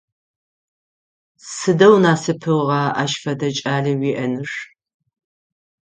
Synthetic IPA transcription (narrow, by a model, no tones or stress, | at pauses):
sɨdɐwnaːsɨpʰɨʁɑːʔɐ̰ʃfɐdɐt͡ʃʼaːɮiwiːʔɐnɨʂ